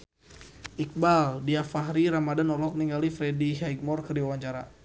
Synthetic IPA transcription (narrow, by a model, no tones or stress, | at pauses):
ʔik̚baldiafaɦɾiɾamadanɔlɔk̚niŋɡalifɾediɦaiɡ̚mɔrkərdiwawaɲt͡ʃaɾa̰